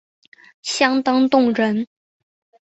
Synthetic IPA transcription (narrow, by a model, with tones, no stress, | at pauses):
ɕjɑ˥ŋt̪ɑ˥ŋt̪ʊ˥˩ŋɻə˧˥n